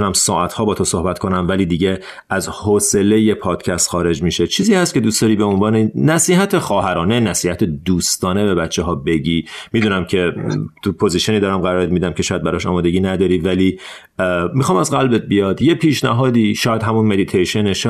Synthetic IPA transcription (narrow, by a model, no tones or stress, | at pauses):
unæmsɒːʔæt̪ʰhɒːbɒːt̪ʰoso̞hbæt̪kʰo̞næmvæliːd̪iːɟe̞ | æzhoːse̞leje̞pʰɒːd̪̥cʰæst̪χɒːɾe̞d͡ʒmiʃe̞t͡ʃʰiːziːhæst̪̚cʰe̞d̪uːsd̪ɒːɾiːbe̞onvɒːnenæsiːhæt̪ʰexɒːɦæɾɒːne̞næsiːhæt̪ʰed̪uːst̪ɒːne̞bebætt͡ʃʰːeɦɒːbe̞ɟiːmiːd̪uːnæmcʰe̞t̪ʰupʰo̞ziʃieniːd̪ɒːɾæmɢæɾɒːɾemiːd̪æmcʰe̞ʃɔːjæd̪bæɾɒʃɒ̰ːmɒːd̪e̞ɟiːnæd̪ɒːɾiːvæli | mixɒːmæzɣælbet̪̚bijɒːd̪je̞pʰiːʃnæɦɒːd̪iːʃɒːjæd̪ɦæmunme̞d̪it̪ʰejʃe̞neʃ